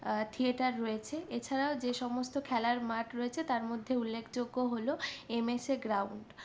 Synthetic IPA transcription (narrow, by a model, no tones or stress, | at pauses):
t̪ʰieʈaɾːɔet͡ɕʰeʔet͡ɕʰaɾaod͡ʑeʃɔmost̪okʰɛlaɾmaʈɾoet͡ɕʰet̪aɾmod̪ʱːeulːekʰd͡ʑoɡːoɦoloemeseɡɾawɳɖ